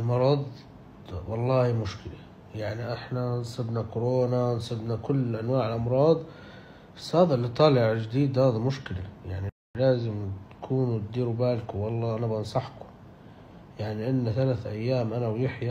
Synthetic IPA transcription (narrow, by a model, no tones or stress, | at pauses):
ʔɪlmɑɾˤɑðˤ | wɑlˤːɑːhimʊʃkɪla | jaʕniʔɪħnansˤɨb̪nakʊɾoːnansˤɨb̪nakʊlːʔanwaːʕɪlʔɑmɾˤɑːd̪ˤ | asːhaːðlːit̪ˤɑːlɪʕd͡ʒɪd̪iːd̪haːðamʊʃkɪlajaʕni | laːzɪmt̪kʰuːnt̪̚d̪iːɾubaːlkʊwɑlˤːɑːʔanabɑnsˤɑħkʊ̥ | jaʕniʔɪnːaθalaːθʔajːaːmʔanawjɪħja